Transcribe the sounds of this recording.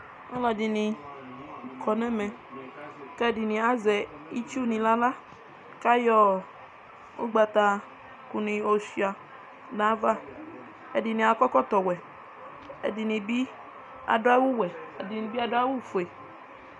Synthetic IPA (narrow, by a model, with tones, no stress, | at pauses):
ŋ̩˦lɔ˨di˨nĩ˨ | kʰɔ˨nɛ̃˦mẽ˨ | kɛ˦˨di˨nĩ˨a˦zɛ˨i˦t͡ʃu˦˨nĩ˨la˦la˦ | ka˦jɔ˦ | o˦ɡ͡ba˨t̪a˨ | ku˨nĩ˨o˨si˨a˨ | nã˨˦va˦ | e˨di˨nĩ˨a˨kɔ˦kɔ˦t̪ɔ˨wɛ˨ | ḛ˨di˨nĩ˨bi˦ | a̰˨do˦a˦wu˦wɛ˨a˨di˨nĩ˨bi˦a˨do˦a˦wu˦˨fu˨e˨